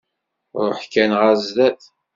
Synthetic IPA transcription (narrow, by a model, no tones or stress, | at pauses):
ɾˤʊħkænʁæzðæθ